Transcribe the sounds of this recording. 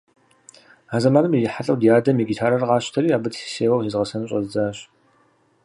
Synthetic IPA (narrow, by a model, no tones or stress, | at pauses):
aːzɐmaːnɨmijɪħaɬʼɐwdijaːdɐmiɡʲitʰaːɾɐrʁɑːɕtʰɐɾiːaːbɨtsi̥seːwɐwizʁɐsɐnɨɕʼɐ̰zɨd͡zaːɕ